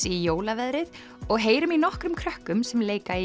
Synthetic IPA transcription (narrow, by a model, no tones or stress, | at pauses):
ijoːwlavɛðɾɪð | ɔɣɦeːjɾʏminɔhkɾʏmkʰɾœhkʏmsɛmleːjkai